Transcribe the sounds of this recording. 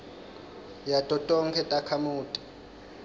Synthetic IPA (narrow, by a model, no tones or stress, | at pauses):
jatʼɔtʼɔŋkʰɛtʼakʰamuːtʼi̥